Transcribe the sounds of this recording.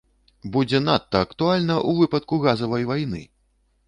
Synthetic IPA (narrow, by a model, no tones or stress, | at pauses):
bud͡zʲɛnat̪ːɐːkt̪ualʲnɐʔuvɨpɐt̪kuɣazɐvɐjvajnɨ̰